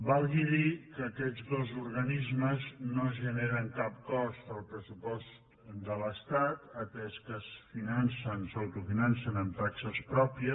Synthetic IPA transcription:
balˠɣiðikəːkɛd͡zðozuɾɣənizməznozʒəneɾəŋkap̚kɔspəlˠpɾəsupɔst̪ | d̪ələst̪at̪ət̪ɛskəsfinansənsəwt̪ufinansənəmt̪aksəspɾɔpiə

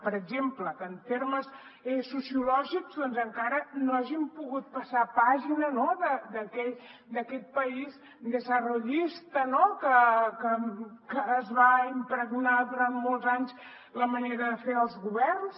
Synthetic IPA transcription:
pəɾəɡʒempləkənt̪eɾməs | ɛsusiulɔʒikzðɔnzəŋkaɾənoaʒimpuɣut̪̚pəsapaʒinənoðəd̪əkɛʎd̪əkɛt̪̚pəiz | d̪əzəruʎist̪ənokəkəkəːzβaimpɾəɣnaðuɾant̪molˠzaɲs | ləməneɾəðəfeəlˠzɣuβɛrns

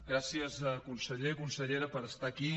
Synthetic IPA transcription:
ɡɾasiəzəkunsəʎeikunsəʎeɾəpəɾəst̪aki

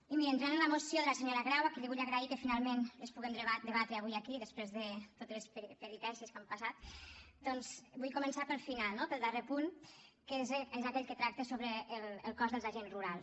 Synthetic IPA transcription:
imiɾənʒɾɛnlamosjoðəlaseɲoɾaɣɾawakəʎiβuʎaɣɾaikəfinalˠmenəspuɣemd̪ad̪əβat̪ɾəaβujakiðəspɾezðət̪ot̪ələsppəɾit̪ɛnsiəskampasat̪̚d̪ɔnzbujkumənsapəlˠfinalˠnopəlˠd̪arepunkezezakɛʎkət̪ɾak̚t̪əsoβɾəːləlˠkɔzðəlˠzaʒenzruɾalˠ

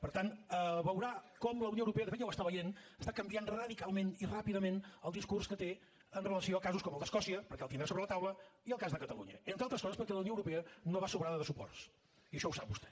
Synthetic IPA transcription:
pəɾt̪anəβəwɾakɔmləwnioəwɾupɛəðəfet̪jawəst̪aβəjenəst̪akəmbianrəðikalˠmenirapiðəmenəlˠd̪iskurskət̪e | ənrələsioəkazuskɔməlˠd̪əskɔsiəpəɾkɛlˠt̪ind̪ɾasoβɾələt̪awləiəlˠkazðəkət̪əlṵɲə̰ent̪ɾalˠt̪ɾəskɔzəspəɾkɛləwnioəwɾupeənoβasuβɾaðəðəsupɔ̰rs | iəʃɔwsa̰p̚bust̪ɛ̥

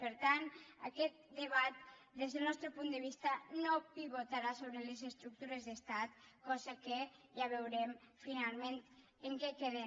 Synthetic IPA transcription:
pəɾt̪anə̰kɛt̪̚d̪əβat̪̚d̪ezðəlˠnɔst̪ɾəpund̪əβist̪ənopiβot̪aɾasoβɾelezəst̪ɾuk̚t̪uɾezðəst̪at̪̚kɔzəkeʒaβewɾɛmfinalˠment̪ | eŋkɛkeðɛ

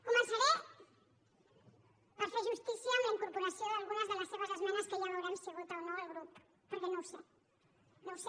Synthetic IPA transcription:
komẽnsaɾe | paɾfeʒust̪iθjamiŋkoɾpoɾasjoalɣunazðelasθeβazðazmãmaskeʎaɾoɾanseɣut̪awnaðelɣɾup | poɾkenõwse | nõwse

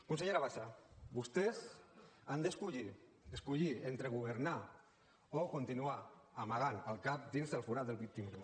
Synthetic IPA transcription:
kunseɲeɾaβaʃaβust̪ezand̪əskuʎi | eskuʎient̪ɾeɣ̞uβ̞əɾna | okunt̪inuaamaɣanəlˠkap̚d̪inzðəlfuɾad̪əlˠβit̪imɾu

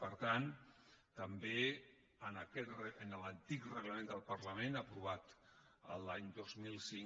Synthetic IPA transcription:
pəɾt̪ant̪əmbe | ənəkɛt̪rəənələnt̪ikrəɣləmẽnd̪əlˠpəɾləmẽnapɾuβ̞at̪ | ə̰laɲd̪ozmilˠsiŋ

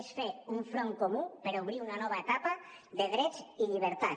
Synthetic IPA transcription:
sfeuɱfɾoŋkomupeɾuβɾiunanɔβaet̪apa | ðeɣɾet͡siʎiβ̞eɾt̪a

